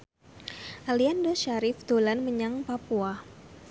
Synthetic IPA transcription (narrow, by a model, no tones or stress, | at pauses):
ʔaliandɔʃaɾɪfd̪̥olanməɲaŋpapua